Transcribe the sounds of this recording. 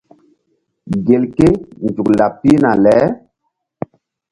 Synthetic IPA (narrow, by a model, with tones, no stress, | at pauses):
ɡe˨lke˦nd͡ʒu˨kla˨pːi˦na˨lɛ˨˦